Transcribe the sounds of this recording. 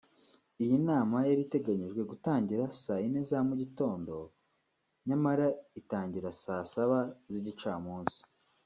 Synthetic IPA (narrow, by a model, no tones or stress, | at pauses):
ijinaːmajaɾite̞ɡaɲiʒɡwe̞ɡutaːɲɟiɾasainezamuɟito̞ːndo̞ | ɲamaɾaitaːɲɟiɾasasaβaziɟit͡ʃaːmuːnsi̥